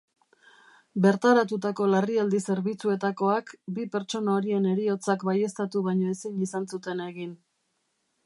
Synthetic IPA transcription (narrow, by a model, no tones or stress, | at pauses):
be̞ɾt̪aɾat̪ut̪ako̞lariald̪ise̞ɾβit͡sue̞t̪ako̞akbipe̞ɾt͡ʃo̞naoɾie̞ne̞ɾio̞t͡sakbaje̞st̪at̪uβajɲo̞esinisansut̪e̞ne̞ɣin